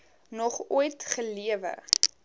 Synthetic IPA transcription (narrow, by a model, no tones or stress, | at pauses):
nɔχujtχəliəvə̰